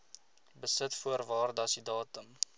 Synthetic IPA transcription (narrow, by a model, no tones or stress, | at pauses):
bəsətfuərvɑːrdɐsidɑːtəm